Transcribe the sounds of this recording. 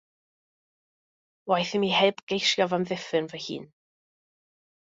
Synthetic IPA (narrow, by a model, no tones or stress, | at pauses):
wajθɪmihɛdɡ̥ejʃjavamðɪfɪnvɛhḭːn